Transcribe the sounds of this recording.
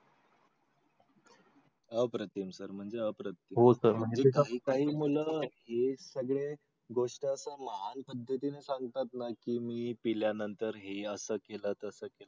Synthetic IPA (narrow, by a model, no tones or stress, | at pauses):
əpɾət̪imsəɾm̤əɳd͡zeəpɾət̪iɦosəɾm̤əɳd͡zekɦiːkaɦiːm̤uləːhesəɡɭe | ɡoʂʈəəsəməɦanpəd̪ʱːət̪inesaŋɡt̪at̪nakiːmiːpiljanənt̪əɾɦeəsəːkelət̪əsəkelə